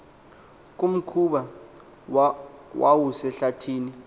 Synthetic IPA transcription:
k̬ʼum̩kʰuɓa | wʔawusɛɬatʰiːni

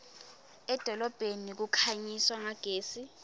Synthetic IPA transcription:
ɛd̥ʱɔlɔb̥ʱenik̬ukʰaɲiswaŋaɡ̥ʱeːsi

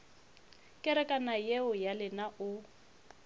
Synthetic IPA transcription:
kʼɪɾɛkʼanajeʊjalɪnaʔʊ

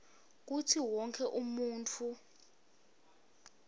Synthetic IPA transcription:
k̬utʰiwɔŋkʰɛʔumuːntʰu

